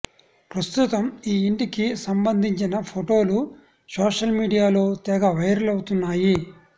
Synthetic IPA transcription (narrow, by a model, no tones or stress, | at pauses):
pɾɐst̪ut̪ɐmiːiɳʈikisɐmbɐnd̪ʱiɲt͡ʃinɐpʰoʈo̞ːlu | soːʂɐlmiːɖijaːlo̞ːt̪ɛːɡɐʋɐjɾɐlɐwut̪unːaːji